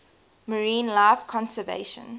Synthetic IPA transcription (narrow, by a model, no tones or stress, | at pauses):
məɹĩːnlaɪfkʰɔ̃nsəvḛɪʃə̰̃n